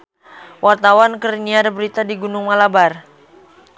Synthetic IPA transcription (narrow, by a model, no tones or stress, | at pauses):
wʔart̪awankəriniadbəɾit̪adiɡunʊŋmalabar